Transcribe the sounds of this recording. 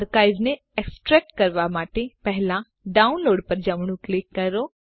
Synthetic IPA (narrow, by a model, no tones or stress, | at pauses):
ɾkaːɪʋne | eksʈɾɛːk̚ʈkɐɾʋamaːʈepɛɦlã | ɖaːʊnloːɖpɐɾd͡ʒɐmɽ̃ũklɪkːɐɾoː